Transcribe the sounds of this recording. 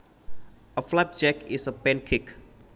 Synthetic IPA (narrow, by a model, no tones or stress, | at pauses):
əflap̚d͡ʒɛkɪsəpɛ̃nkʰɪk